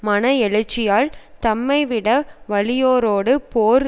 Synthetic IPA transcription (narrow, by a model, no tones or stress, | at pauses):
mɐnɐɛɭɯt͡ʃːɪjaːlt̪ɐmːɐɪʋɪɽɐʋɐɭɪjoːɾoːɽɯpoːɾ